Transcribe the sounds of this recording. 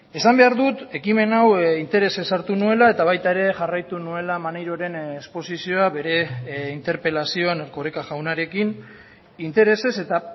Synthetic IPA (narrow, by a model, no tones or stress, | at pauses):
e̞sambe̞aɾðut̪e̞kime̞nawint̪e̞ɾe̞se̞saɾt̪unue̞lae̞t̪aβ̞ajt̪ae̞ɾe̞ʝarajt̪unue̞lamanejɾo̞ɾe̞nespo̞sisio̞aβe̞ɾe̞int̪e̞ɾpe̞lasio̞aneɾko̞ɾekaʝawnaɾe̞kin | int̪e̞ɾe̞se̞se̞t̪a